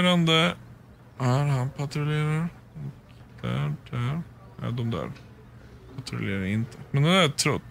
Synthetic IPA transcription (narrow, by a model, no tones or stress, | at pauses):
ɾand̪ə | æɾhɑnpʰat̪ɾʊleːɾaɾ | ɔk | d̪̥æ̰ɖ̪̥æɾ | æ̰d̪ɔmd̪æ̰ɾ | pʰat̪ʰɾʊ̰lʔḛːɾaɾɪnt̪ʰəmɛnd̪ɛd̪æɾt̪ʰːɾɔt̪ː